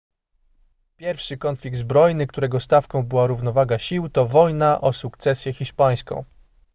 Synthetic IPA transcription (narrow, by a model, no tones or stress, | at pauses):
pʲjɛɾfʂɘkɔnfʲlʲik̚t̪zbɾɔjnɘkt̪uɾɛɡɔst̪afkɔ̃w̃bɘwaɾuvn̪ɔvaɡaɕiwt̪ɔvɔjnaʔɔsukt̪sɛsʲjɛxʲiʂpaj̃skɔ̰̃w̃